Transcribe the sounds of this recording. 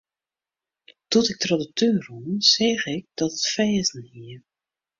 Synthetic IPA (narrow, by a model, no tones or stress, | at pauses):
tɔtɪk̚trɔdətʰøːrɔmz̥ɛːɣɪk̚d̥ɔtətfɛːzn̩hiə